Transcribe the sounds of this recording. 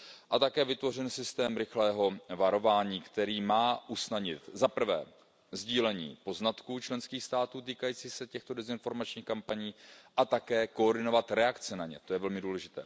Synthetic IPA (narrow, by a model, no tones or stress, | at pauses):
ʔat̪akɛːvɪt̪vo̞r̝ɪnsɪst̪ɛːmɾɪxlɛːɦo̞vaɾo̞vaːɲiːkt̪ɛɾiːmaːʔusnadɲɪt̪zapr̩vɛ̰ː | zɟiːlɛɲḭːpo̞znat̪kuːt͡ʃlɛnskiːxst̪aːt̪uːt̪iːkajiːt͡siːsɛcɛxt̪o̞dɛzɪnfo̞ɾmat͡ʃɲiːxkampaɲiːʔat̪akɛːko̞ːrdɪno̞vat̪ɾɛakt͡sɛnaɲɛ̰t̪o̞jɛvɛlmɪduːlɛʒɪt̪ɛ̰ː